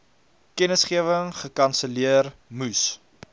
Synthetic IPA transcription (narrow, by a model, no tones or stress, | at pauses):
kɛnəsχiəvəŋχəkɐnsəliərmus